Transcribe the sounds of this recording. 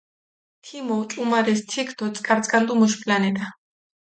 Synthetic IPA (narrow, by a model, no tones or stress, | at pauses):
t̪ʰimɔt͡ʃʼumaɾɛst̪ʰɛkʰt̪ʰɔt̪sʼkʼaɾt̪sʼkʼand̪ʼumɔʃpʰʼlanɛt̪a